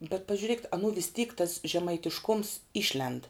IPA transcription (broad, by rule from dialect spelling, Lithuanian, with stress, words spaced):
bʲɛt pɐʒʲʊˈrʲeːkʲɪt ɐnuː ʋʲɪs tʲiːk tɐs ʒʲɛmɐɪtʲɪʃˈkoːms ˈɪʃʲlʲɛnt